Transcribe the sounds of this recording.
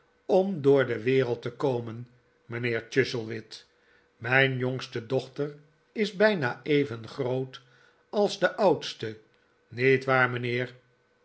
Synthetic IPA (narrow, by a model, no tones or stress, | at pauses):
ɔmdʊːɹdəʋɪːʁəlˠtəkowmən | mənɪːɹt͡ʃʏsəlˠʋɪt | mɛjnjɔŋstədɔχtər | ɪzbɛjnaejvənχrowt | ɑlˠzdəʔɑwtstə | netʋaːɹmənɪːʁ